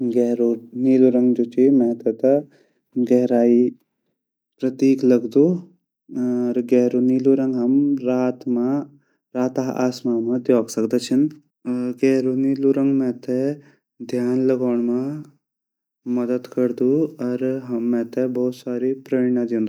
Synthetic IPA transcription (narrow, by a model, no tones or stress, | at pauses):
ɡeɾuniːluɾɐŋɡd͡ʒut͡ʃimɛ̃ːt̪ɐt̪ɐ | ɡɛɦɾaːi | pɾɐt̪iːklɐɡd̪u | ɾɡɛɦɾuniluɾə̃ŋɡɦɐmɾaːt̪ma | ɾaːt̪aɦʔa̰ːsmamãd̪joːksɐkd̪ət͡ʃʰɐn | ɡeɦɾuniluɾɐŋɡmẽt̪ʰe | d̪ʱjaːnlɐɡaːɳ̃mã | mɐd̪əd̪kɐɾd̪uɐɾɦɐmːẽt̪ebɐɦut̪saːɾipɾəɳãd͡ʒ̪ĩnd̪